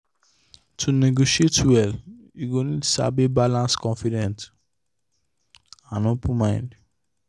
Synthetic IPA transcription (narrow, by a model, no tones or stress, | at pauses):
tʰuneɡoʃietwɛl | juɡonidsa̰bebalãnskɔ̃nfidɛ̃nt | ãnõpũmãɪ̃nd